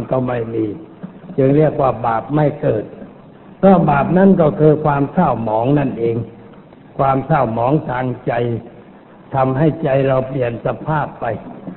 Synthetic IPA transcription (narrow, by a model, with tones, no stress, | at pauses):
nkɔ˧˥˩ma˥˩jmiː˧t͡ɕɯ˧ŋɾi˥˩ək̚waː˧˥˩baː˨˩p̚ma˥˩jkɤː˨˩t̪̚ | kɔː˥˩baː˨˩p̚na˦˥˩nkɔː˥˩kʰɯː˧kʰwaː˧msʰaː˥˩wmɔː˩˦˥ŋna˥˩nʔeː˧ŋ | kʰwaː˧mt̪ʰaː˥˩wmɔː˩˦ŋt̪ʰaː˧ŋt͡ɕa˧j | t̪ʰa˧mɦa˥˩jt͡ɕa˧jɾa˧wpli˨˩ənsa˧pʰaː˥˩pːa˧j